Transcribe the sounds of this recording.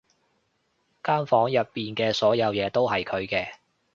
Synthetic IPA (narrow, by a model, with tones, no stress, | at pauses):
kaː˥nfɔː˨˥ŋjɐ˨pːiː˨nkɛː˧sɔː˨˥jɐ˨˧wjɛː˨˧t̪o˥wɦɐ˨jkʰɵ˨˧ɥkɛː˧